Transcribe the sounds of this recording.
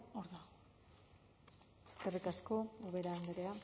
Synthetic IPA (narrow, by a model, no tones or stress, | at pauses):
oɾðaɣo | e̥ske̞rikasko̞uβe̞ɾaːnd̪eɾea